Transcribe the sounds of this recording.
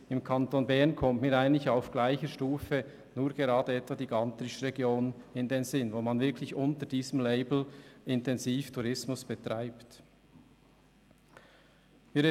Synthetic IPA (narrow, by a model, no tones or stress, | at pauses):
ɪmkʰɑntonbɛʁnkʰɔmtmiːɾaɪəntlɪçaʊfɡ̥laɪçəʃtuːfə | nuːɐɡ̥eʁɑːdəɛtvɑd̥iːɡɑntɾɪʃʁɛɡjoːnɪndenzɪnvoːmanvɪɐkʰlɪçʔʊntəd̥iːzəmleɪbl̩ʔɪntɛnziːftʰuɾɪsmʊsb̥ɛtʁ̥aɪpt | miːɾ